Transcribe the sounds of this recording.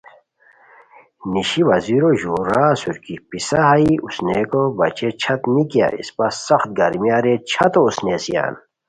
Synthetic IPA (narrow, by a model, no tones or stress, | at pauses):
niɕiʋɐziɾoʑuɾaːsuɾkipisaɦaiʔusnekobɐt͡ɕet͡ɕʰɐt̪nikija̰ḭspɐssɐxt̪̚ɡɐɾmijaɾet͡ɕʰɐt̪ousnesija̰ːn